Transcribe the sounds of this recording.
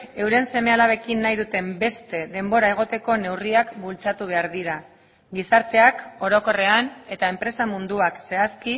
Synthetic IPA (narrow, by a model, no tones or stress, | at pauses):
e̞wɾe̞nse̞me̞alaβe̞kinːajðut̪e̞mbe̞st̪e̞ðe̞mbo̞ɾae̞ɣ̞o̞t̪e̞ko̞ne̞wriakbult͡sat̪uβ̞e̞aɾðiɾa | ɡisaɾt̪e̞ako̞ɾo̞ko̞re̞ane̞t̪ae̞mpɾe̞samund̪uakse̞aski